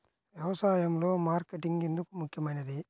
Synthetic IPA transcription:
ʋjɛʋɐsaːjɐmlo̞ːmaːɾkeʈːiŋɡend̪ukumukʰːjɐmɐːnijɐd̪i

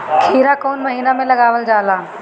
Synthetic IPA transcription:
kʰiːɾakɔːnmɐɦiːnamẽlɐɡaːʋəld͡ʒaːlaː

